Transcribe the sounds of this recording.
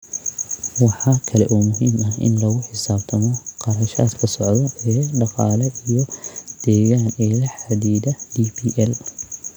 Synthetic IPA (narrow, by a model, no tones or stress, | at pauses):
wɑħɑkʰɐlɛʔɔːmʊɦiːmɐɪ̰nlɐɣʊħɪsaːb̚t̪ʰɐmɔqɑɾɐʃa̰ːd̪kʰɐsɔʕd̪ɔɛːɖɑqɑːlɛijɔd̪̥ɛːɣaːnɛːlɐħad̪iːd̪ɐdibiːʔɛl